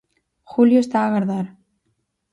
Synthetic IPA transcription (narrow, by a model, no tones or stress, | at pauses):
xuljost̪aːɣaɾðaɾ